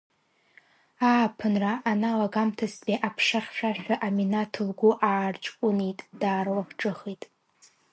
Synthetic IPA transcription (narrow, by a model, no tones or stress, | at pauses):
aːpʰɨnraʔanalaɡamtʰasbiʔapʰʂaχʲʃᶣaʃᶣaʔaminatʰɨlɡʷʊʔaːrt͡ʃʼkʷʼʊnejtʼd̥aːrlakʰʈ͡ʂʼɨχejtʼ